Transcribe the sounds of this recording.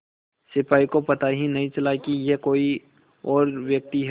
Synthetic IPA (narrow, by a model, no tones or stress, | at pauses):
sɪpaːikopɐt̪aɦinɐɦĩt͡ʃɐlakijekoːi | ɔːɾʋjək̚t̪iɦɛ